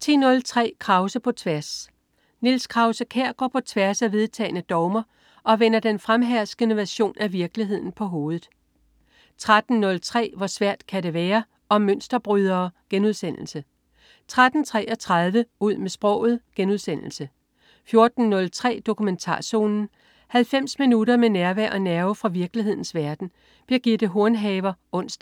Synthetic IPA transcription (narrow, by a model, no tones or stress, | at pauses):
t͡sʰḭːnɔ̽lt͡sʰʁɛ̰ːkʰʁɑ̈ʊsəpʰɒ̽t͡sʰʋæɐs | nilskʰʁɑ̈ʊsəkʰæɐ̰ɡ̥ɒ̰ːpʰɒ̽t͡sʰʋæɐsæʋe̝ð̞ˠt͡sʰɛ̰ːnəd̥ɒʊmɐ | ʔɒ̽ʋenɐd̥enfʁamɦæɐsɡ̥ənəʋæɕo̝̰ːnʔæʋiɐɡ̥liɦe̝ð̞̰ˠn̩pʰɒ̽ɦo̝ːð̞̩ˠ | t͡sʰʁad̥n̩nɔ̽lt͡sʰʁɛ̰ːʋɒsʋæɐ̰d̥kʰæɾe̝ʋɛːɐ | ɒ̽møn̰sd̥ɐb̥ʁyð̞ˠɐːɡ̥enuð̞̰ˠsen̰l̩sə | t͡sʰʁad̥n̩t͡sʰʁɛ̰ːɒ̽t͡sʰʁað̞ˠʋəuð̞̰ˠmesb̥ʁɒ̰̽ʊ̰ð̞̩ˠɡ̥enusen̰l̩sə | fjo̝ɐd̥n̩nɔ̽lt͡sʰʁɛ̰ːd̥o̝kʰument͡sʰɑ̰̈ːso̝ːnn̩ | hælfem̰sminuɾɐmenæɐʋæɐ̰ʔɒ̽næɐʊfʁɑ̈ʋiɐɡ̥liɦe̝ð̰ˠn̩sʋæɐd̥n̩ | b̥iɐɡ̥id̥əɦo̝ɐnɦɛːʋɐɔ̽n̰sd̥